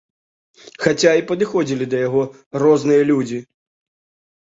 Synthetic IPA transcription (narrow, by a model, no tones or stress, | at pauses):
xat͡sʲaipɐd̪ɨxɔd͡zʲilʲid̪ɐjaɣɔ | rɔznɨjɐlʲud͡zʲi